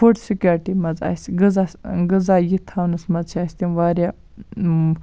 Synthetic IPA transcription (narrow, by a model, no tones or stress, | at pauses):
oʈsikʲoɾʈimɐza̰sɡɨzasɡɨzajit̪ʰaːwnɨsmɐzt͡ʃʰaːsʲt̪inʋaːɾja